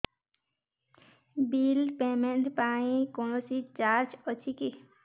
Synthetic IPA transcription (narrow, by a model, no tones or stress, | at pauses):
biːlpeːmenʈ̪paːnĩkonosit͡ʃaːɾt͡ʃɔt͡ʃʰiki